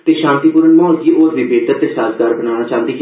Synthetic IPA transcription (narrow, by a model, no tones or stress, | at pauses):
t̪eːʃãːnt̪iːpuːɾənmɔːnkiːʔoːɾʋ̪iːbeːt̪ət̪eːsaːzɡaːɾbənaːnaːt͡ʃaːnd̪iː